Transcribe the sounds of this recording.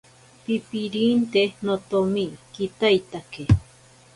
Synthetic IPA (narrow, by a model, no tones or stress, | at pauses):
pipiɾiːnt̪enot̪omikit̪ajt̪ake